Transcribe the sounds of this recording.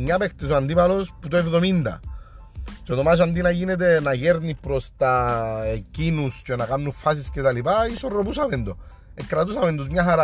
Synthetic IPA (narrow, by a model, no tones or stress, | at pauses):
ɲapext̪esuand̪imalosput̪ɛfðomind̪a̰ | t͡ʃot̪omas̬and̪inajinet̪̬enajeɾnipɾost̪aekinust͡ʃoenakanːufas̬isket̪alipaisoropusamend̪o | ekːɾat̪usamend̪usmiaɦaɾa